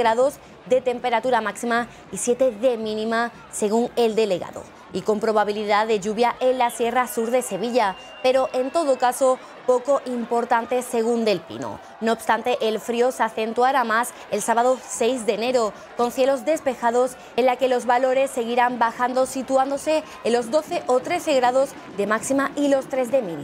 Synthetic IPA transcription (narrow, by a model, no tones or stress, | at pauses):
ɣɾaðo̞z | d̪e̞t̪e̞mpe̞ɾat̪uɾamaksima | isje̞t̪e̞ðe̞mĩnĩma | se̞ɣuŋe̞ld̪e̞le̞ɣa̰ðo̞̰ | iko̞mpɾo̞β̞aβiliðaðe̞ʝuβjaʔe̞nlasje̞rasuɾðe̞se̞βiʎa | pe̞ɾo̞ʔe̞nt̪o̞ðo̞kaso̞ | po̞ko̞ʔimpo̞ɾt̪ant̪e̞se̞ɣ̞und̪e̞lpḭno̰ | no̞ːb̥st̪ant̪e̞ʔelfɾiosaθe̞nt̪uaɾamas | elsaβaðo̞se̞jzðe̞ːne̞ɾo̞ | ko̞nθje̞lo̞zd̪e̞spe̞xaðo̞s | enlake̞lo̞zβalo̞ɾe̞sːe̞ɣ̞iɾambaxand̪o̞sit̪uand̪o̞se̞ | lo̞zd̪o̞θe̞ʔot̪ɾe̞θe̞ɣɾaðo̞z | d̪e̞maksimailo̞st̪ɾe̞zðe̞mil